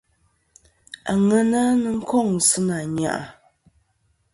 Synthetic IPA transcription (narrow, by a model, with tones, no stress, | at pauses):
a˨ŋɛ˦na˦nɨ˦ŋ̩˦kɔ˦˨ŋ̩˨sɨ˦na˨ɲa̰˨ʔa̰˨